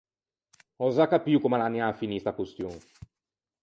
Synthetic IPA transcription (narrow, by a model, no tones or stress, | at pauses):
ɔzakːapiukomalanjafinist̪akust̪joŋ